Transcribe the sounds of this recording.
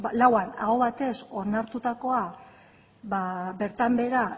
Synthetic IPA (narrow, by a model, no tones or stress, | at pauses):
lawana̰ɣo̞βat̪e̞so̞naɾt̪ut̪ako̞a | βabe̞ɾt̪ambe̞ɾa